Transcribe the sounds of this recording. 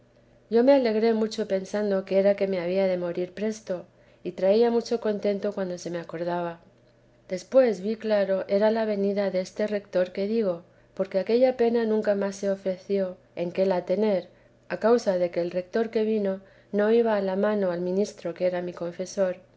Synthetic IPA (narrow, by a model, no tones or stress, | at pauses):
ʝo̞me̞ale̞ɣɾe̞mut͡ʃo̞pe̞nsand̪o̞keeɾake̞me̞aβ̞iaðe̞mo̞ɾiɾpɾe̞st̪o̞ | it̪ɾaiamut͡ʃo̞ko̞nt̪e̞nt̪o̞kwand̪o̞se̞me̞ako̞ɾð̞aβ̞a | d̪e̞spwe̞zβiklaɾo̞ʔe̞ɾalaβ̞e̞niðaðe̞est̪e̞re̞kt̪o̞ɾke̞ðiɣ̞o̞ | po̞ɾke̞ake̞ʎape̞nanũŋkamasːe̞o̞fɾe̞θjo̞ | e̞ŋke̞lat̪e̞ne̞ɾ | akawsaðe̞ke̞ːlre̞k̚t̪o̞ɾke̞βino | no̞iβaːlamãno̞almĩnist̪ɾo̞kee̞ɾamiko̞ɱfe̞so̞ɾ